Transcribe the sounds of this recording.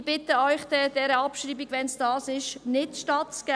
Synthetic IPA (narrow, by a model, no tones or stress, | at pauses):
b̥ɪtəɔʏχd̥ɛd̥ɛɾəɑpʃɾiːbiɡʋɛnsd̥ɑːsɪʃnɪtʃtɑtt͡sɡ̥æ